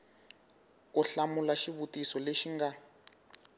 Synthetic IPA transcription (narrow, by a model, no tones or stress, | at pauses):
uɬamulaʃiβutisɔleʃiŋɡa